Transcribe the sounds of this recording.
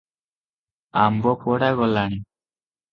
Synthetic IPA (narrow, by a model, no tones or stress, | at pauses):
ambɔpɔɽaɡɔlːani